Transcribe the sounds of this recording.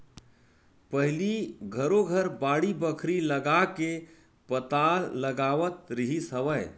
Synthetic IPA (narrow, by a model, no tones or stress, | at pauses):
pəɦɪliɡʱəɾoɡʱəɾbaːɽibəkʰɾiləɡake | pət̪aːlːəɡaːʋət̪ɾiɦisɦəʋəɪ